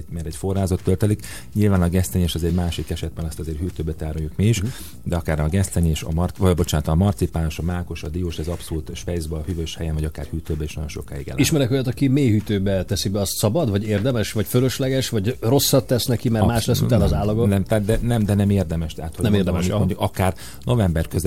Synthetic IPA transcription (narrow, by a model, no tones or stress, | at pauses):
mɛɾɛcfo̞rːaːzot̪ːølt̪ɛlik | ɲilvaːnɒɡɛst̪ɛɲeːʃɛzɛɟmaːʃikɛʃɛd̪̚bɛnɒst̪ɒzeːrɦyːt̪øːbɛt̪aːɾojukmiiʃ | d̪ɛɒkaːrɛɒɡɛst̪ɛɲeːʃɒ̰mrɒbo̞t͡ʃaːnt̪ɔmɒrt̪sipaːnoʃɒmaːko̞ʃɒd̪ioːʃɛzɒpsoluːt̪ʃfɛjzbɛːhyvøːʃhɛjɛnvɒɟɒka̰ːrhyːt̪øːbɛiʃnɒ̰ɟo̞nʃo̞̰kːa̰ːjḭɡɛ̰l̰iʃmɛɾɛkojɑt̪ɒkimeːhyt̪øːbɛt̪ɛsibɛɒst̪sɒbɒd̪vɒɟeːrd̪ɛmɛʃvɒcføløʃlɛɡɛʃvɒɟro̞sːɒt̪ːɛsnɛkimɛmaːʃlɛsːut̪anːzaːlːɒɡonɛmt̪aːt̪̚d̪ɛnɛmd̪ɛnɛmeːrd̪ɛmɛʃt̪ɛːt̪honɛmerd̪ɛmimoɲdukɒkaːr | no̞vɛmbɛrkøz